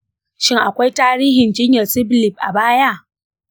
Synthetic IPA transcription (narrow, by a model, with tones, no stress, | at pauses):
ʃɪ˦ŋʔa˨kʷa˦jtaː˦ɾiː˦ɦɪ˨nd͡ʒɪ˦ɲjɐ˨rsɪ˦blɪ˨b̚ʔa̰˨baː˦ja˦ʔ